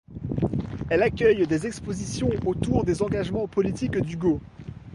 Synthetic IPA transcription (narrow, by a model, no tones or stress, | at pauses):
ɛlakʲœjd̪ezɛkspozisjɔ̃ot̪uʁd̪ezɑ̃ɡaʒmɑ̃pɔlit̪ikd̪yɡo